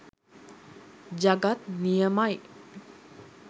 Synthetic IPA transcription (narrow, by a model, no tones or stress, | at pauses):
d͡ʑaɡat̪nijəmaj